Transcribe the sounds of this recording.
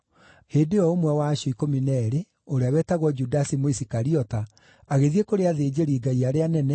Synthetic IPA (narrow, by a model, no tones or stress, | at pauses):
heːdeɔomwɛwaːɕɔikominɛɾe | oɾeawɛtaɣwɔd͡ʒudasimoisikaɾiɔta | aɣeðiekoɾeaðeːd͡ʑeɾiːɡaiaɾeanɛnɛ